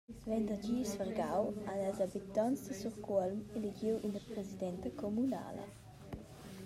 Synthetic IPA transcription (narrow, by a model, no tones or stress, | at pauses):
vɛnd̪əd͡ʒiːsfərɡawanɛlzabit̪ɔnsd̪əsuʁkɔlmeliɡiwʔinəpɾezid̪ɛnt̪əkɔmuna̰ːlə̰